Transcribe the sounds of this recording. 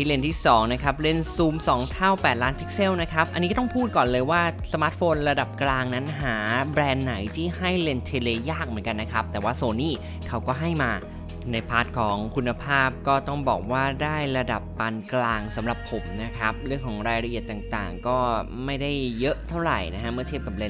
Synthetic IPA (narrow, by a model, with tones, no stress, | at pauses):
iː˦˥˩le˧nt̪ʰiː˥˩sɔː˩˦ŋna˦˥kʰa˦˥p̚le˧˥˩nsuː˧msɔː˩˦ŋt̪ʰa˥˩wpɛː˨˩t̪̚laː˦˥npʰi˦˥k̚se˥˩wna˦˥kʰa˦˥p̚ʔa˧nːiː˦˥t̪ɔ˥ŋpʰuː˥˩t̪̚kɔː˨˩nlɤː˧jwaː˥˩sa˧maː˦˥t̪̚foː˧nɾa˧da˨˩p̚klaː˧ŋna˦˥nɦaː˩˦bɾɛː˧nːa˩˦jt̪ʰiː˥˩ha˥˩jle˧nt̪ʰe˧leː˧jaː˥˩k̚mɯ˩˦nka˧nːa˦˥kʰa˦˥p̚t̪ɛː˨˩waː˥˩soː˧niː˥˩ | kʰa˦˥wkɔː˥˩ɦa˥˩jmaː˧ | na˧jpʰaː˦˥t̪̚kʰɔː˩˦ŋkʰu˧nːa˧pʰaː˥˩p̚kɔː˥˩t̪ɔ˥˩ŋbɔ̰ː˨˩k̚waː˥˩daː˥˩jɾa˧da˨˩pːa˧nklaː˧ŋsa˩˦mɾa˨˩pʰːo˩˦mna˦˥kʰa˦˥p̚ɾɯ˥˩əŋkʰɔː˩˦ŋɾaː˧jɾa˧ʔi˨˩ət̪ːaː˨˩ŋt̪a̰ː˨˩ŋkɔː˥˩ | ma˥˩jda˥˩jːɤ˦˥ʔt̪ʰa˥˩wɾa̰˨˩jna˦˥kʰa˦˥ʔmɯ˥˩ɐt̪ʰe˥˩p̚ka˨˩p̚le˧˩n